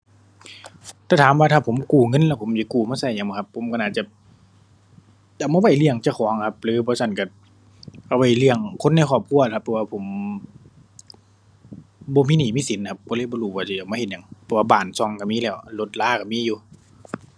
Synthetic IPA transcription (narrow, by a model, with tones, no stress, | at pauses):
t̪ʰɛː˧˩t̪ʰaː˨˦mwaː˧t̪ʰaː˧˩pʰo˨˦mkuː˨˩ŋɤ˧˥˨nlɛː˧˩pʰo˨˦mja˧˦kuː˨˩maː˧sa˧˩jɲaː˨ŋbɔː˧˩kʰa˧pʰːo˨˦mka˧˨ʔaː˨˩t̪̚t͡ɕa˧˩ | da˨˩wmaː˧wa˧˩˨jlɯ˧˩əŋt͡ɕa˧˩kʰɔː˨˦ŋ˧kʰa˧p̚lɯː˨˧˦bɔː˧˦sa˧˩˨nka˧˩ | ʔa˧˩wa˧˩jlɯ˧˩əŋkʰo˧˥˨nːa˧˩˨kʰɔː˧˩p̚kʰu˧˨la˧kʰpʰːɛ˧waː˧pʰo˨˩˦m | bɔː˧˦miː˧˨niː˨˦miː˧˥˨si˨˦n˨kʰa˧p̚kɔː˧lɤː˧˥˨jbɔː˧˨luː˧˩baː˧˩si˧˩˨a˨˩wmaː˧˨e˧˩t̪̚ɲa˨ŋpʰɛ˧˩waː˧baː˨˩nsɔ˧˩ŋka˧˩miː˧˥˨lɛː˧˩wlo˧˦t̪̚laː˧˥˨ka˧˩miː˧˥˨juː˧